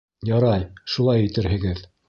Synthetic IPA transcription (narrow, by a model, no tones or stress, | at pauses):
jɑɾɑjʃulˠɑjĭt̪ɘ̆ɾhɘ̆ɡɘð